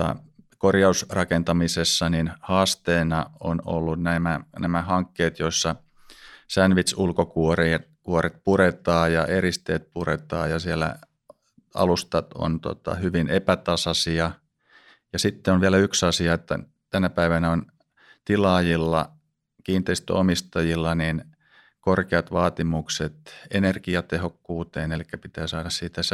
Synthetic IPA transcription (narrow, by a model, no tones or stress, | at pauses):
ɑ̰ | korjɑusrɑkent̪ɑmisesːɑninhɑːst̪eːnɑo̰no̰lːunnæimænæmæhɑŋkːeːt̪joisːɑ | sænʋit̪sulkokuori | kuoɾet̪̚puɾet̪ɑːjɑʔeɾist̪eːt̪̚puret̪ɑ̰ːjɑsielæ̰ | ɑ̰lust̪ɑo̰nt̪o̰t̪ɑ̰hyʋinepæt̪ɑsɑsiɑ | jɑsit̪ːeonʋiælæyksɑsiɑet̪ːæ̰ | t̪ænæpæiʋænæon | t̪ilɑːjilːɑ̰ | kiːnt̪eist̪o̰omist̪ɑjilːɑnin | korkeɑt̪ʋɑːt̪imukset̪enerkiɑt̪ehokːuːt̪eːnelikːæpit̪æːsɑːɾɑssiːt̪æs